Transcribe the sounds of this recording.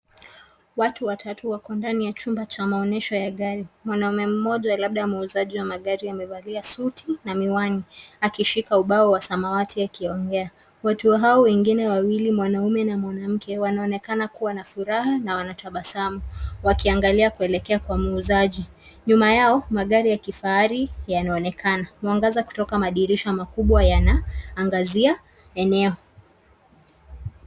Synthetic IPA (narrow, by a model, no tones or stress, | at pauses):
watuwatʰatuwakɔndanijat͡ʃumbat͡ʃamaɔnɛʃɔjaɠaɾimwanaumɛm̩mɔʄalaɓ̚ɗamuuzaʄiwamaɠaɾiamɛvaliasutʰinamiwaniakiʃikauɓaɔwasamawatʰiakiɔŋɡɛa | watuwaɦaɔwɛŋɡinɛwawilimwanaumɛnamwanam̩kʰɛwanaɔnɛkanakuwanafuɾaɦanawanataɓasamuwakiaŋɡaliakuɛlɛkɛakwamuuzaʄi | ɲumajaɔmaɠaɾijakifaaɾijanaɔnɛkʰanamuaŋɡazaku̥tɔkamaɗiɾiʃamakuɓwajanaːŋɡazia | ɛnɛɔ